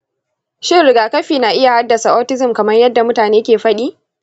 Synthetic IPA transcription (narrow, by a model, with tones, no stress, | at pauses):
ʃɪ˦lʊ˨ɡaː˨kɐ˦ɸiː˨na˨ʔɪ˦ja˨ha˦dːɐ˨sa˨ʔɔː˦tɪ˦zɪ˨mkɐ˨mɐ˦rjɐ˦dːa˨mʊ˦taː˨neː˦kʲeː˨ɸɐ˦ɗiː˦